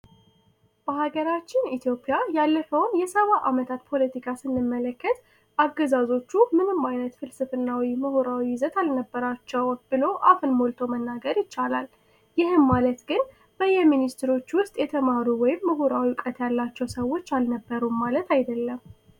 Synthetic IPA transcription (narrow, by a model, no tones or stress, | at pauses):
b̥əhaɡəɾat͡ʃːɪnit̪ʰjo̞pʼjajalːəfəwnjɛsəβaʔamət̪ʰat̪pʰo̞lət̪ikʰasɨnːɨmːələkːət̪ | aɡəzazo̞t͡ʃːumɨnɨmːajnət̪fɨlsɨfɨnːawiməhuɾawizət̪ʰalnəbːəɾat͡ʃːɛwb̥ɨlo̞ʔafɨnmolt̪ʰo̞mənːaɡəɾjɪt͡ʃːalal | jɪhɨmmalət̪ɡɨn | b̥əjɛminist̪ʰɾo̞t͡ʃːwʊst̪ʼjɛt̪ʰəmaɾuwɔjɪmːəɦuɾawiukʼət̪jalːat͡ʃːɛwsəwo̞t͡ʃːalnəbːəɾumalət̪ʰajd̪əlːəm